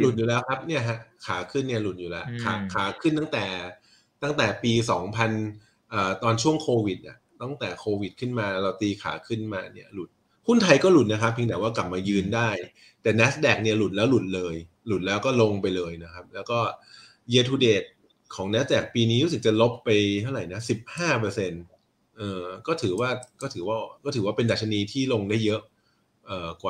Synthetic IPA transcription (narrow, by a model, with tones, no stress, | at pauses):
lu˨˩t̪̚juː˨˩lɛː˦˥wkʰa˦˥p̚ni˥˩ɐɦʰaɛ˦˥kʰaː˩˦kʰɯ˥˩nːi˥˩ɐlu˨˩t̪̚juː˨˩lɛ˦˥ʔkʰaː˩˦kʰaː˩˦kʰɯ˥˩nt̪a˥˩t̪ɛː˨˩ | t̪a˥˩ŋt̪ɛː˨˩piː˧sɔː˩˦ŋpʰa˧n | ʔəː˨˩t̪ɔː˧nt͡ɕʰu˥˩əŋkʰoː˧wi˨˩t̪̚ʔa˨˩ | t̪a˥˩ŋt̪ɛː˨˩kʰoː˧wi˨˩t̪̚kʰɯ˥˩nmaː˧ɾa˧wt̪iː˧kʰa̰ː˩˦kʰɯ˥˩nmaː˧ni˥˩ɐlu˨˩t̪̚ | hu˥˩nt̪ʰa˧jkɔː˥˩lu˨˩t̪̚na˦kʰa˦˥p̚ʰːiː˧ŋnaː˨˩˦waː˥˩kla˨˩p̚maː˧jɯː˧ndaː˥˩j | t̪ɛː˨˩nɛ˦˥s̚dɛː˨˩k̚ni˥˩ɐlu˨˩lɛː˦˥wlu˨˩t̪̚lɤː˧j | lu˨˩t̪̚lɛː˦˥wkɔː˥˩lo˧ŋpa˧jlɤː˧jna˦˥kʰa˦˥p̚lɛː˦˥wkɔː˥˩ | jeː˧t̪ʰuː˧deː˨˩t̪̚ | kʰɔː˩˦ŋnɛ˦˥s̚dɛː˨˩k̚piː˧niː˦˥ɾu˦˥s̬ɯ˨˩t͡ɕa˨˩lo˦˥pːa˧jt̪ʰa˥˩wɾa˨˩jna˦˥si˨˩p̚haː˥˩pɤː˧se˧n | ʔɤː˧kɔː˥˩t̪ʰɯː˩˦waː˥˩kɔː˥˩t̪ʰɯː˩˦waː˥˩kɔː˥˩ɯː˩˦waː˥˩pe˧nda˨˩t̪̚ʰa˧niː˧t̪ʰiː˥˩lo˧ŋdaː˥˩jːɤ˦˥ʔ | ʔɤː˨˩kwaː˨˩